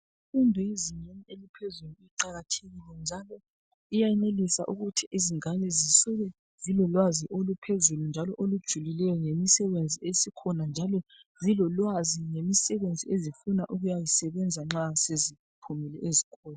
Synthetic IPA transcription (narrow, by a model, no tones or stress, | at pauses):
ifundʱuiziɲenielipʰezuluiǃaɣatʰeɣilɛnd͡ʒʱalɔ | ijaɛnelisa̰ʔuɣutʰiʔiziŋanɛzisuɣɛ | zilɔlwaziʔolupʰezulund͡ʒʱalɔʔolud̥ʒ̥ʱulilɛjɔŋemisɛβend͡zʱiesikʰɔnand͡ʒʱalɔzilɔlwaziŋemisɛβend͡zʱiezifunaʔuɣujajisɛβɛnd͡zʱaŋ͡ǁasezi | pʰumilɛezikʰɔːla